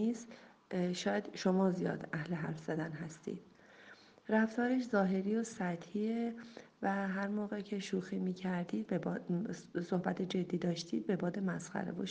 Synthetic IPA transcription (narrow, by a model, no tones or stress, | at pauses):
iːs | ʃɒːjæd̪̥ʃo̞mɒːzijɒ̰ːd̪æhleɦæɾfz̥æd̪ænɦæst̪ḭːd̪̥̚ | ræft̪ʰɒːɾeʃzɒːɦe̞ɾiːosæt̪hie | væɦæɾmoːɣecʰe̞ʃuːxiːmiːcʰæɾd̪iːd̪̚beb | sohbæt̪ʰed͡ʒe̞d̪ːiːd̪ɒːʃt̪iːd̪̚be̞bɒːd̪emæsχæ̰ɾḛvo̰ʃ